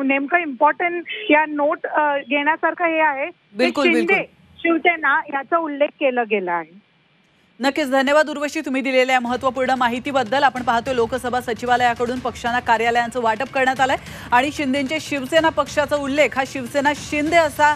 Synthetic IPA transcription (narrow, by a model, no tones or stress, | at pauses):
nemkəimpɔɾʈəɳʈjanoʈɡeɽ̃jasaɾkʰəɦeaɦe | bilkulibildk̪ule | ɕiʋsenajat͡səulːek̚ʰːeləːɡeləaɦe | nəkːiːt͡sd̪ʱənjəʋad̪uɾʋəʂiːt̪um̤iːd̪ileljaməɦət̪ːʋəpuɾɳəmaɦit̪iːbəd̪ːəlapəɳpaɦat̪ʋelokəsəbʱasət͡ɕiʋaləjakəɽuːnpəkʂanakaɾjaləjant͡səʋaʈəp̚kəɾɳjat̪alae | aɽ̃iɕind̪ʱeɲt͡ɕeɕiʋsenapəkʂat͡səulːekʰɦaɕiʋsenaɕind̪ʱeəsa